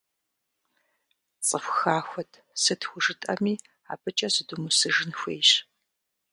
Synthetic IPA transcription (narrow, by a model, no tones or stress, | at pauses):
t͡sʼəxʷxaːxʷɔtʰ | sɨtʰxʷʊʒɨtʼɐ̰miː | a̰ːpɨt͡ʃʼɐzɨdumusɨʒɨnxʷeːɕ